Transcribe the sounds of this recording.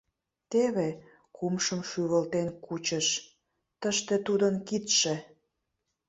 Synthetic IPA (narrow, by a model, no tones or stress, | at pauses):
t̪eβe | kumʃəmʃyβəlt̪enkut͡ɕəʃ | t̪əʃt̪et̪ud̪ənkit̪ʃĕ